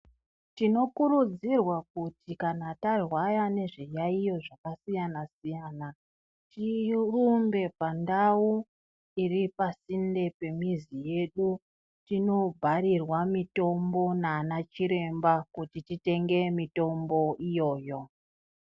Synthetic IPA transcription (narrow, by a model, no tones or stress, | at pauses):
tino̞kuɾud͡zirwakutʰikanatarwajane̞ʐijaijo̞ʐakasijanasijaːna | tirumbe̞pandawu | iripasinde̞pe̞mizije̞ɗu | tino̞bʱaɾirwamito̞mbo̞naːnat͡ʃiɾe̞mbakutitite̞ŋɡe̞mito̞mbo̞ʔijo̞ːjo̞